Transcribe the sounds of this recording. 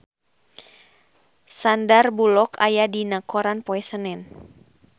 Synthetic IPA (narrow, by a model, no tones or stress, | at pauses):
sandarbulɔkajadinakɔɾanpɔɛsənɛn